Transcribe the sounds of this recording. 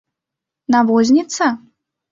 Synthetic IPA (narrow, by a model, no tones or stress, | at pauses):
navɔzʲnʲit̪sɐ